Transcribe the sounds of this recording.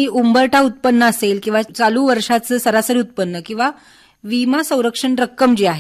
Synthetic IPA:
iʔumbəɾʈaut̪̚pənːəːselkĩw̃ʋat͡saluʋəɾʂat͡səːsəɾasəɾiut̪̚pənːəkĩw̃ʋa | ʋimasə̃w̃ɾəkʂəɳɾəkːəmd͡ʑiaɦe

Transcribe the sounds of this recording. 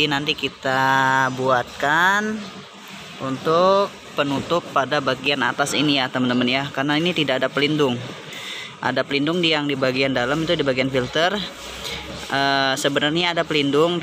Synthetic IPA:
inant̪ikit̪abuat̪̚kan | unt̪ʊk̚pənut̪ʊpːadabaɡiana̰t̪asinijat̪əmənt̪əmənjakarnainit̪idakadapəlindʊŋ | ʔa̰dapəlindʊŋdijaŋdibaɡiandalamit̪udibaɡianfilt̪ər | ʔəsəbənarɲaːdapəlindʊŋ

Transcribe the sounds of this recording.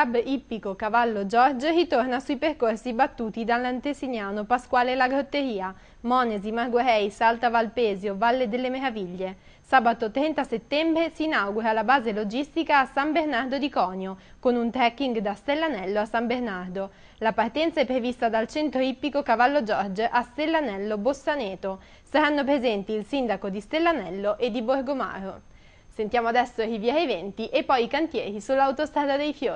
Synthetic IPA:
abipːikokavalːod͡ʒɔrd͡ʒrit̪ornasuiperkorsibat̪ːuːt̪id̪alːant̪esinjaːnopaskwaːlelaɡɾot̪ːeɾiːa | mɔːnezimarɡoɾɛjsalt̪avalpeːzjovalːed̪elːemeɾaviʎːe | saːbat̪ot̪ɾɛnt̪aset̪ːɛmbɾesiːnawɡuɾalabaːzelod͡ʒist̪ikaːsambernard̪od̪ikɔːnjokonunt̪ɾɛkːiŋɡd̪ast̪elːanɛlːoasːambernard̪o | lapart̪ɛnt̪saɛpːɾevist̪ad̪alt͡ʃɛnt̪ɾoipːikokavalːod͡ʒɔrd͡ʒʔast̪elːanɛlːobosːanɛːt̪o | saɾanːop̬ɾezɛnt̪iːlsind̪akod̪ist̪elːanɛlːoʔed̪ːiborɡoma̰ːɾo | sent̪jaːmoad̪ɛsːoɾivjɛːɾevɛnt̪iʔepːɔjikant̪jɛːɾisulːawt̪ost̪ɾaːd̪ad̪ejfjoːɾi

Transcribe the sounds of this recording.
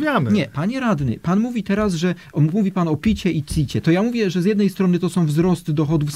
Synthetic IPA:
vʲjamɲɛpaɲɛɾad̪nɘ̰panmuvʲit̪ɛɾasʐɛ | uvʲipanɔpʲit͡ɕɛit̪sʲit͡ɕɛt̪ɔjamuvʲjɛʐɛzjɛd̪nɛjst̪ɾɔnɘt̪ɔsɔ̃w̃vzɾɔst̪ɘd̪ɔxɔd̪ufs

